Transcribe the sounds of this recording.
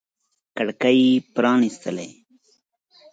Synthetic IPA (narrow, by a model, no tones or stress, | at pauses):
kəɽkaipɾɑːnist̪əle